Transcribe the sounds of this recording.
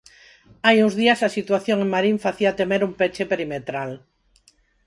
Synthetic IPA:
ajuŋzðiasasit̪waθjoŋeŋmaɾiɱfaθiat̪emeɾumpet͡ʃepeɾimet̪ɾal

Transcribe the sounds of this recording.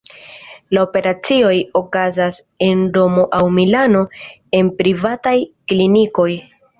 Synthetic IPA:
laope̞ɾat͡sio̞jo̞kazas | e̞ndo̞mo̞ʔawmilano̞ | e̞npɾivatajkliniko̞j

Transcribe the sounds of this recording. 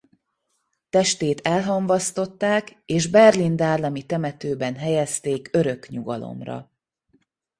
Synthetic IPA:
t̪ɛʃt̪eːt̪ʰɛlɦɒɱvɒst̪o̞t̪ːaːkeːʒbɛrlind̪aːrlɒmit̪ɛmɛt̪øːbɛnɦɛjɛst̪eːkøɾø̞kɲuɡɒ̰lo̰mrɒ̰

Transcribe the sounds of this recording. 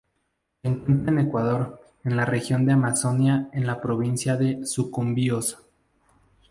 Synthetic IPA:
seŋkwe̞nt̪ɾaene̞kwaðo̞ɾ | e̞nlare̞xjo̞nd̪eamaso̞njaenlapɾo̞β̞insjaðe̞sukumbiosḁ

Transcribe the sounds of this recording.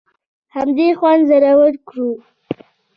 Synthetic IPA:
hamd̪exwand̪zaɾawəɽkɽu

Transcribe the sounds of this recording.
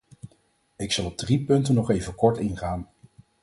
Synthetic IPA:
ɪksɑlˠɔb̚dripɵntənɔχejvəkɔɹtɪnχaːn

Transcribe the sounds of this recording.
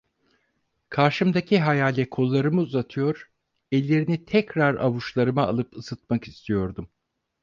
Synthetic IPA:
kʰaɾʃɯmd̪acʰiɦajaːlʲɛkʰo̞lˠːaɾɯmɯuzat̪ʰɯjo̞ɾ̥ | ɛlʲːe̞ɾinit̪ʰɛcɾaɾa̰βuʃlˠaɾɯma̰ːlˠɯpɯsɯt̪̚maki̥st̪ʰijo̞ɾd̪um

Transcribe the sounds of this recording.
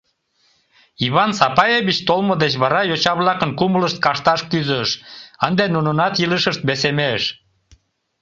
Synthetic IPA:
iβɑnsɑpɑjeβit͡ɕt̪olmod̪et͡ɕβɑɾɑjot͡ɕɑβlɑkənkumələʃt̪̚kɑʃt̪ɑʃkyzəʃənd̪enununɑt̪jiləʃəʃt̪̚besemeʃ

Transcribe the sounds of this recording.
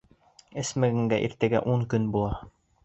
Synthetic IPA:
ɘ̆smɘɡɘ̆ŋɡæʔḭɾt̪ɘ̆ɡæ̰ʔuŋkɵnbulˠɑ

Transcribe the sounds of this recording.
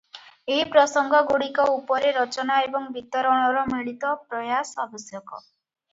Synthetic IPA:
eɦipɾɔsɔŋɡʱɔɡuɽikɔupɔɾeɾɔt͡ʃɔnaebɔŋbit̪ɔɾɔɽ̃ɔɾɔmiɭit̪ɔpɾɔjasabɔsjɔkɔ̰

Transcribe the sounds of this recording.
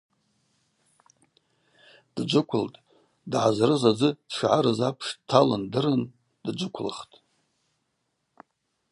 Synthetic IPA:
d̥d͡ʒʷʊkʷʰʊltʼ | dʕazrɨzad͡zɨdʂʕaɾɨzapʰʂdtʰalɨndɨrɨn | dd͡ʒʷʊkʷʰlɨ̰χtʼ

